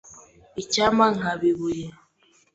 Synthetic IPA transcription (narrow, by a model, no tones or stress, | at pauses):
it͡ʃamaŋabiβuja